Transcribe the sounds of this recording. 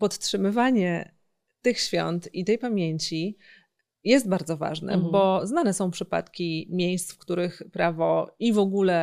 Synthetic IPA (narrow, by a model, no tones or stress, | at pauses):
pɔt̪tʂɘmɘvaɲɛ | t̪ɘxɕfʲjɔ̰nt̪it̪ɛjpamʲjeɲt͡ɕi | jɛst̪̚baɾd̪zɔva̰ʐnɛ̰bɔznanɛsɔ̃w̃pʂɘpa̰t̪kʲimʲjejst̪fkt̪uɾɘxpɾavɔivɔɡulɛ